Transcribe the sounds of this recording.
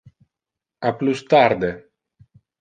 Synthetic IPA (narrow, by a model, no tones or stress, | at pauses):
aplust̪aɾd̪e